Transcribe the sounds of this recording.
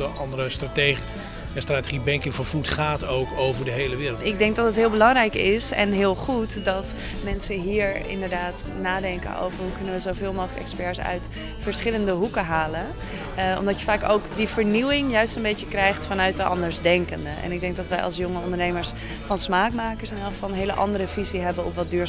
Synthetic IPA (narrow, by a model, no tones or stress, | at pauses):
əɑndəɾəstrate | stratəχibɛŋkɪŋfəɹfutχaːtowkowvəɹdəɦejləʋɪːɾlˠɪɡ̚dɛŋk̚dɑtətɦɪːlˠbəlɑŋɾɛjkɪsɛ̰nɦɪːlˠχutdɑt | mɛnsəɦiːɹɪ̰ndəɹdaːt | naːdɛŋkə̰no̰wvəɹɦukɵnəʋəzowvɪːlˠmowxχləkɛ̰kspɛɹsœ̰ɥt | fəɹsχɪləndəɦukəɦaːlən | ɔ̰mdɑtjəfaːkowkdivəɹniwɪŋjœɥstənbejcəkrɛjχtfɑnœɥt̚dəʔɑ̰ndəɹzdɛŋkəndəʔɛ̰nɪɡ̚dɛŋk̚ɡ̚dɑtʋɛjɑ̰lˠsjoŋəɔndəɹnejməɹs | fɑnsmaːkmaːkəɹsɛnɔfɑnnɦejlə̰ʔɑ̰ndəɾəviziɦɛbənɔpʋɑt̚dyːɹ